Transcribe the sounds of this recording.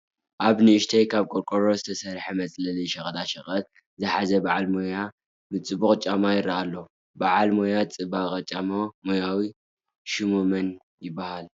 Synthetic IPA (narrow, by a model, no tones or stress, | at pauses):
ʔaβnɨɨʃt̪ʰɐjkʰaβkʼoɾkʼoɾozɨt̪ʰɐsɐɾħɐmɐt͡sʼlɐlijʃɐχʼɐd̪aʃɐχʼɐt̪̚ | zɨħazɐbaʕalmoja | mɨt͡sʼɨbuxʼt͡ʃʼamajɪɾːaʔalːo | baʕalmojat͡sʼɨbaχʼɐt͡ʃʼamamojawi | ʃɨmumɐn | jɪbːahal